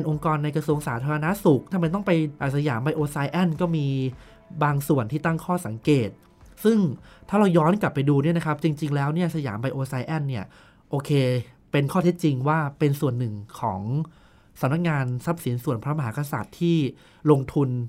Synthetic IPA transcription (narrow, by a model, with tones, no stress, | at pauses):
e˧nʔo˧ŋkɔː˧nːa˧jkɾa˧su˧əŋsaː˩˦t̪ʰaː˧ɾa˧na˦˥su˨˩k̚t̪ʰa˧ma˧jt̪ɔ˥˩ŋpa˧jʔa˨˩sa˧ja̰ː˩˦mpa˧jʔoː˧sa˧˥jʔɛ˥˩nkɔː˥˩miː˧ | baː˧ŋsu˨˩ənt̪ʰiː˥˩t̪a˥˩ŋkʰɔː˥˩sa˩˦ŋkeː˨˩t̪̚ | sɯ˥˩ŋt̪ʰaː˥˩ɾa˧wjɔː˦˥nkla˨˩pːa˧jduː˧ni˥˩na˦˥kʰa˦˥p̚t͡ɕi˧ŋt͡ɕi˧ŋlɛː˦˥wni˥˩ɐsa˧ja̰ː˩˦mpa˧jʔoː˧sa˧˥jʔɛ˥˩nːi˥˩ɐ | ʔoː˧kʰeː˧ | pe˧nkʰɔː˥˩t̪ʰe˦˥t̪̚t͡ɕi˧ŋwaː˥˩pe˧nsu˨˩ənːɯ˨˩ŋkʰɔː˩˦ŋ | sa˨˩˦mna˦˥k̚ŋaː˧nsa˦˥p̚si˨˩˦nsu˨˩ənpʰɾa˦˥ma˧ɦaː˩˦˥ka˧sa̰ː˨˩t̪ʰːiː˥˩ | lo˧ŋt̪ʰu˧n